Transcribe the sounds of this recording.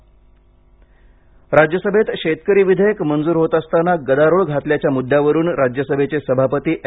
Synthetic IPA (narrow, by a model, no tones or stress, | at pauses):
ɾad͡ʑjəsəbʱet̪ɕet̪kəɾiːʋid̪ʱəjəkmənd͡zuːɾɦot̪əst̪anaɡəd̪aɾoɭɡʱat̪ljat͡ɕjamud̪ʱjaʋəɾuːnɾad͡ʑjəsəbʱet͡sesəbʱapət̪iːʔ